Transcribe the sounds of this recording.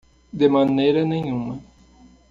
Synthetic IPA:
d̪ɪmɐnejɾɐnẽj̃ũmɐ

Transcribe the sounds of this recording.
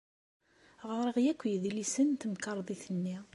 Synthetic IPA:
ʁəɾˤəʁjækʷːjðilisənt̪mkɑɾˤðˤiθənːi

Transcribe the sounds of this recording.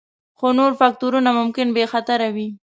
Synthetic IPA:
xonoɾfak̚t̪uɾunamʊmkɪnbexat̪aɾawi

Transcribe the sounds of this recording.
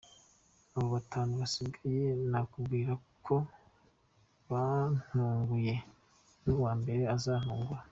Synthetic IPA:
aβoβatʰaːnuβasibɡaajenakubɡiːɾakʰo̞ | βan̥uːŋɡuje̞ | nuwaːmbe̞ɾe̞azanuːŋɡuɾa

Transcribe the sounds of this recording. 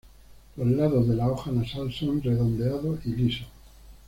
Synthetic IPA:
lozlaðo̞zðe̞laoxanasalsonre̞ðo̞nd̪e̞aðoʔiliso

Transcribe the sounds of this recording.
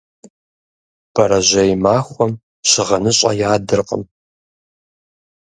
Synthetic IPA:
b̥ɐɾɐʑɐjmaːxʷɔm | ɕɪʁɐnɨɕʼɐ̰jaːdɨrqʼə̰m

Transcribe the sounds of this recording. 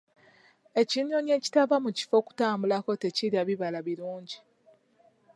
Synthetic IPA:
e̞ciɲoɲe̞ci̥tavamuci̥fo̞ku̥taːmbulako̞teciljaβiβalaβiluːɲɟi

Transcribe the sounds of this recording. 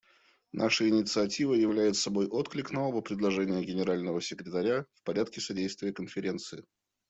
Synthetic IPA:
nʔaʂəɪnʲɪt̪sɨɐtʲivəjɪvlʲæjɪt̪sɐbo̞jʔot̪klʲɪknovəvəpɾʲɪd̪lˠɐʐɛnʲɪjəɡʲɪnʲɪɾalʲnəvəsʲɪkɾʲɪt̪ɐɾʲafpɐɾʲat̪̚kʲɪsɐdʲejst̪vʲɪjəkənfʲɪɾʲe̞nt̪sɨɪ

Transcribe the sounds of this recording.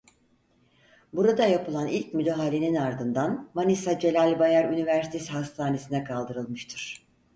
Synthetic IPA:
buɾad̪ajapɯlˠanilʲc̚myd̪eɦalʲe̞ninaɾd̪ɯnd̪anmanisad͡ʒelʲalʲbajæɾynivæɾsi̥t̪ʰesiɦast̪ʰaːne̞sinɛkʰalˠd̪ɯɾɯlˠmɯʃt̪ʰɯɾ̥

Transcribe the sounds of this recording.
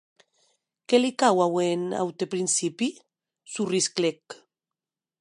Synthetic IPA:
kelikawawena̰wt̪epɾinsipi | surisklek

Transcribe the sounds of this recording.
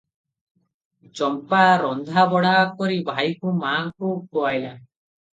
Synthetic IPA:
t͡ʃɔmpaɾɔnd̪ʱabɔɽakɔɾibʱajkumaŋkukoajla

